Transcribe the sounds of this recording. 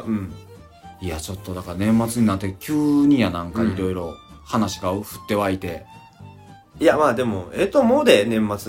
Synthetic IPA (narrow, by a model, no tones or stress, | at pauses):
ɯ̟̃ɴ | iat͡ɕo̞t̪ːo̞d̪akaanẽ̞mːat͡sɨɲ̟inat̪ːekʲɨːɲ̟ijanãŋkaiɾo̞iɾo̞ | hanaɕi̥kaoɸɯ̟̥t̪ːe̞βait̪e̞ | ijamaːd̪e̞mo̞et̪omoːd̪enẽ̞mːat͡sɨ